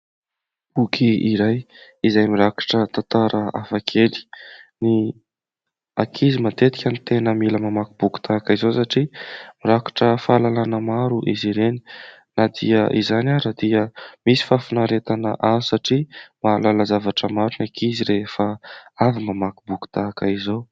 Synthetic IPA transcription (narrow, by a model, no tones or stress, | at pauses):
ukʰiiɾaj | izajmiɾakḁʈ͡ʂət̪ant̪aɾʔəa̰fakʰeli̥ni | a̰kʰizimat̪et̪i̥kʲanit̪enəmiləmamakubuku̥t̪ʰakəizosaʈ͡ʂimiɾakḁʈ͡ʂəfaːlalanəmaɾuʔiziɾeni̥ | nad̪iəʔizanaɾad̪iəmisi̥fafinaɾet̪anə̰ʔazusaʈ͡ʂimaːlalazavaʈ͡ʂəmaɾunakʰiziɾefəavimamakubuku̥t̪akaizow